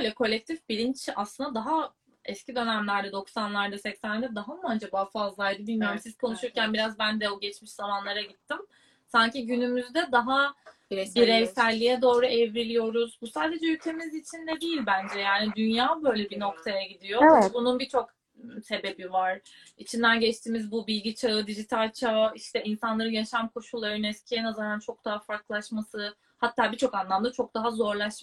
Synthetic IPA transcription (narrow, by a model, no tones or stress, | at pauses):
bøjlʲɛkʰo̞lʲːɛc̚t̪ʰifbiɾint͡ʃa̰slˠɯnd̪ad̪aɦa | ɛscid̪ø̞næmlʲæɾd̪ɛd̪o̞ksanlˠaɾd̪asɛcsænd̪ɛd̪aɦamuad͡ʒabaːfazlˠajd̪ɯbilʲmijoɾmsizkʰo̞nuʃuɾcænbiɾazbænd̪ɛoɟɛt͡ʃmiʃzamanlˠaɾaɟit̪ʰːim | saɲciɟynymyzd̪ɛd̪aɦa | biɾɛjsælʲːijɛd̪o̞ːɾuɛvɾilʲijo̞ɾuzbusaːd̪e̞d͡ʒɛylʲt̪ʰe̞mizit͡ʃʰind̪ɛd̪ijilʲbænd͡ʒɛjaːnid̪ynjaːbø̞jlʲɛbino̞kt̪ʰajaɟid̪ijo̞bununbit͡ʃʰo̞k | se̞be̞bivaɾ̥ | it͡ʃʰind̪ænɟɛt͡ʃt̪ʰiːmizbubilʲɟit͡ʃʰaɯd̪iʒit̪ʰalʲt͡ʃʰaiʃt̪ɛinsanlˠaɾɯnjaʃamkʰo̞ʃulˠːaɾɯnɛscʰiɛnazaɾant͡ʃʰo̞k̚d̪̥aɦafaɾklˠaʃmasɯ | hat̪ʰːaːbit͡ʃʰo̞kanlˠamd̪at͡ʃʰo̞k̚d̪aɦazo̞ɾlˠaʃ